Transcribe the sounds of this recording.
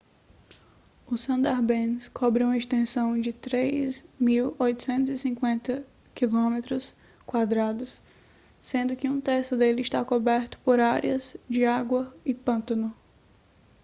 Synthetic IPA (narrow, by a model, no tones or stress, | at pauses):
ʊsɐ̃nd̪aɾbẽnskʰɔbɾɪũmɐest̪ẽsɐ̃w̃d͡ʒɪt̪ɾejzmiwojt̪ʊ̥sẽnt̪ʊzisĩkwẽnt̪ɐ | kilõmet̪ɾʊs | kwad̪ɾad̪ʊsː | ẽnd̪ʊkɪũt̪eɾsʊd̪elɪːʃt̪akobɛɾt̪ʊ̥poɾaɾjɐzd͡ʒɪaɡwɐɪpɐ̃nt̪ɐnʊ